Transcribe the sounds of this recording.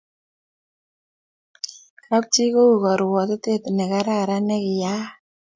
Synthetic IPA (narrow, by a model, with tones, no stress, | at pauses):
kʰa˦p̚t͡ʃi˦ko˦u˨kɔ˨ɾwɔ˨t̪ɔ˦t̪e˦˨t̪nɛ˨ka˦ɾa˦˨ɾa˦nɛ˦kɪ˨ja˦